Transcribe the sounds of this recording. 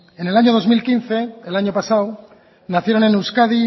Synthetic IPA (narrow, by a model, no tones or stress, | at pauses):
e̞ne̞laɲo̞ð̞o̞zmilkinθe̞elaɲo̞pasaw | naθje̞ɾo̞ne̞newskaði